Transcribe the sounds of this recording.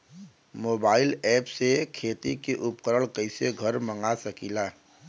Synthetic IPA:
moːbaːɪlɛːpsekʰeːt̪ikiʔʊpkəɾəɭkəɪseɡʱəɾmə̃ŋɡasəkilaː

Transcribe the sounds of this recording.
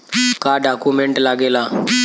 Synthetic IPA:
kaɖakumeɳʈlaɡela

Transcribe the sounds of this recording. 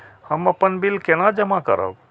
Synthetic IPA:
həməpənbilkenad͡ʒəmakə̰ɾə̰b

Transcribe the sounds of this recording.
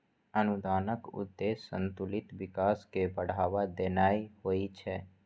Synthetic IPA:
ənʊd̪aːnəkʊ̰d̪ːeːsːə̰̃nt̪ʊlɪt̪ʋɪkaːskebəɽ̤aːʋad̪eːnaːiɦoːit͡ʃʰɛː

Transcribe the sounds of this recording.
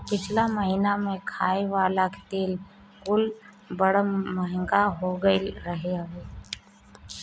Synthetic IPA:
pɪt͡ʃʰlaməɦiːnamẽkʰaːeʋaːlake̥t̪eːl | kʊl | bəɽəməɦɪ̃ŋɡaɦoɡəɾɐɦeaɦeː

